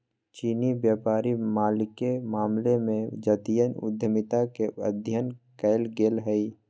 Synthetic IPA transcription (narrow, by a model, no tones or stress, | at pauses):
t͡ʃiːnibjaːpaːɾimaːlɪkemaːmlemẽd͡ʒət̪ijənʊ̰d̪ʱjəmɪt̪akeə̰d̪ʱjənkəɪlɡeːlɦɛi